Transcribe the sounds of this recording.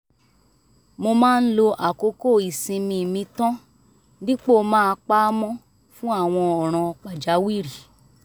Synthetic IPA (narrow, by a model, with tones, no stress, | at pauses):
mo˧mãː˦˧n̩˦lo˧ʔa˨ko˧˦ko˦˨i˨sĩ˧mĩ˧˨mĩ˧tã˦ | nĩ˦k͡po˦˨˧mãː˦˧k͡pa˦mɔ̃˦ | fũ˦a˦˨w̃ɔ̃˧ɔ˨ɾ̃ã˨˧k͡pa˨d͡ʒa˨˦wi˦˨ɾi˨